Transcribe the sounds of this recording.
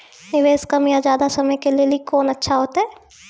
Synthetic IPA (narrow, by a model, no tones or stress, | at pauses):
nɪʋeːskɐmijad͡ʒjaːd̪asɐməjkelieliekoːnɐtːʃʰaɦoːt̪aɦɛː